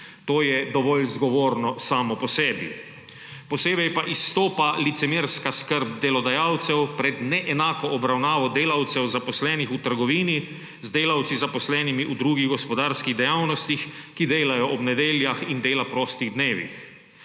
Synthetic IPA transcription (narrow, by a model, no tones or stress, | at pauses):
t̪oːjɛd̪ɔʋɔlzɡɔʋoːɾnɔsaːmɔpɔsɛːbḭ | pɔseːbɛjpaʔisːt̪oːpalit̪sɛmeɾskaskəɾb̚d̪ɛlɔd̪ajaːwt̪sɛwpɾɛd̪nɛʔɛnaːkɔʔɔbɾawnaːʋɔd̪eːlawt̪sɛwzapɔslɛːnixut̪əɾɡɔʋiːni | zd̪eːlawt̪sizapɔslɛːnimiʔud̪ɾuːɡiɣɡɔspɔd̪aːɾskiɣd̪ɛjawnɔst̪ixkid̪eːlajɔʔɔbnɛd̪eːljaxind̪eːlapɾɔːst̪iɣd̪neːʋḭx